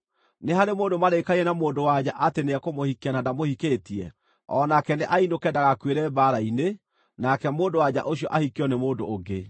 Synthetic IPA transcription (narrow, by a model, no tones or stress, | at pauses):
neɦaɾemoːndomaɾekaiɛnamoːndowad͡ʑaʔateneɛkomohikianadamohiketiɛ̰ | ɔnakɛneʔainokɛdaɣakweɾɛbaɾaine | nakɛmoːndowad͡ʑa̰ʔoɕiɔ̰ʔahikɔnemoːndoːɡe